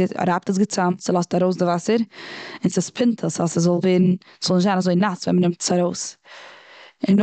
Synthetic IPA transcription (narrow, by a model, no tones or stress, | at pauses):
a̰ɾap̚təs̬ɡət͡samtsɪlˠɔstaɾoʊsdəvasəɾɪnsaspʰɪntʰəsasəs̬vɔlˠveːɾn̩ | svɔlˠnɪʃtzaːnazoɪnasvɛ̰nmənɪmtsaɾoʊːs | ɪn